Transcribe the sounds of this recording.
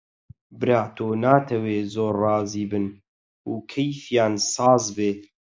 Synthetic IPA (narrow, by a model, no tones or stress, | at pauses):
bɨɾaːt̪ʰoːnaːt̪ʰɛweːzoːɾrɑːziːbɨn | uːkʰɛjfjaːnsɑːzbeː